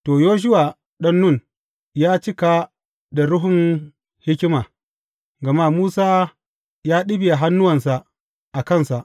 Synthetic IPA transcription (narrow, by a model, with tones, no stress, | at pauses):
toː˨joː˦ʃ̬ʊ˦wa˨ | ɗɐ˦nːʊ˦˨n | jaː˦t͡ʃɪ˦ka˨ | da˨ɾʊ˦ɦʊ˨ŋ | hɪ˦kʲɪ˦maː˨ | ɡɐ˨ma˦muː˦saː˦ | jaː˦ɗɪ˦bi˨a˨ɦa˦nːʊ˦wɐ˨nsa˨ʔ | ʔa˨kɐ˦˨nsa˨ʔ